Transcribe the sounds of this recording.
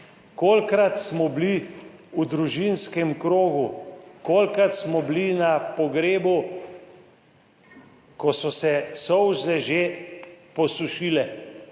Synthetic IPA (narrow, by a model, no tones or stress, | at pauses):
koːlkɾat̪smɔbli | ud̪ɾuʒinskɛmkɾoːɡukoːlkɾat̪smɔblinapɔɡɾeːbu | kɔsɔsɛsɔwʒzɛʒepɔsuʃiːlɛ